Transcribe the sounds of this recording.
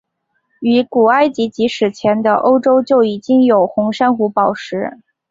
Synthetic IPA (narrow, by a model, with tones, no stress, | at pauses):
y˧˥ku˨˩a˥ɪt͡ɕi˧˥t͡ɕi˧˥ʂɻ̩˨˩t͡ɕʰjɛ˧˥nd̪ə˧ʔo˥ʊʈ͡ʂo˥ʊt͡ɕjo˥˩ʊi˨˩t͡ɕi˥ŋjo˨˩ʊxʊ˧˥ŋʂa˥nxu˧˥pɑ˨˩ʊʂɻ̩˧˥